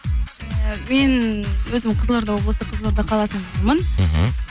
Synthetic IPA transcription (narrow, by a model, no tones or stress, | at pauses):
me̞nwɵzɪmqʰəzlˠəɾd̪ɑwoblˠsəqʰəzlˠəɾd̪əqʰɑlˠɑsənbot̪ɾmən